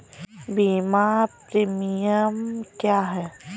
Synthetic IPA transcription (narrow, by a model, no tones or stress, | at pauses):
biːmapɾimijəmkjaːɦɛː